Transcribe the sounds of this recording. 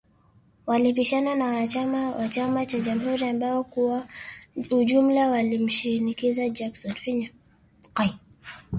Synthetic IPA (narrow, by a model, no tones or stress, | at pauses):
walipiʃananawanaaawat͡ʃamat͡ʃaʄam̩ɦuɾiambaɔkuwa | ud͡ʒum̩lawalim̩ʃinikizad͡ʒaksɔnfiɲa | qaj